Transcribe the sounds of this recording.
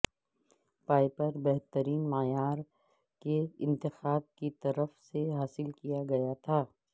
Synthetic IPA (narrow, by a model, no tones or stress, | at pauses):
paːjpɐɾbɛɦt̪əɾiːnmajaːɾ | keɪ̃nt̪ɪxaːb̚kit̪ɐɾəfseɦaːsɪlkijaɡɐjat̪ʰaː